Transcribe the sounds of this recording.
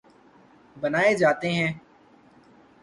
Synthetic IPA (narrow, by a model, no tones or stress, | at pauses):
bənaːeːd͡ʒaːt̪eːɦɛ̃ː